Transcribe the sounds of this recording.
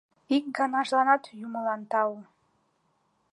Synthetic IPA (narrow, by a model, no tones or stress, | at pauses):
ik̚ɡɑnɑʒlɑnɑt̪juməlɑnt̪ɑwu